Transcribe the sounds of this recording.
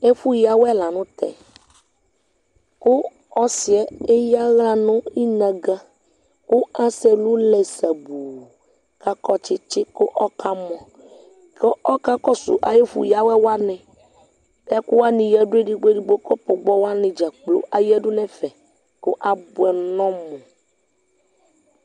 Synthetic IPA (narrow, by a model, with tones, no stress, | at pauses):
e˦fu˦ja˨wɛ˦la˨nũ˦t̪ɛ̰˨ | kʊ˦ | ɔ˦si˨ɛ˦e˦ja˦ɣa˦nʊ̃˦i˦nã˨ɡa˦ | ku˦ã˦sɛ˦lu˦lɛ˨sa˨bu˨ | ka˦kɔ˦t͡ʃɪ˦t͡ʃɪ˦ko˦ʔɔ˦kʰa˦mɔ̃˨ | ke˦ʔɔ˦ka˦kɔ˦sṵ˨ʔa̰˨je˦fṵ˨ja˦wɛ˦wa˦nɛ̃˨ | ɛ˦ku˦wa˦nĩ˨jɛ˦ɖu˦e˦ɖi˦ɡ͡be˦ɖi˦ɡ͡bo˦kɔ˦po˨ɡ͡bɔ˦wa˦nĩ˨d͡ʒa˨k͡plo̰˦ʔa˨jɛ˦ɖu˦nɛ̃˨fɛ˨ | ko˦ʔa˨bu˨ɛ˨nɔ̃˦mõ˨